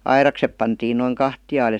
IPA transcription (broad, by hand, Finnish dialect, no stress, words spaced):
ɑirɑksep pɑntiːn noiŋ kɑhtij̆ɑːl jɑ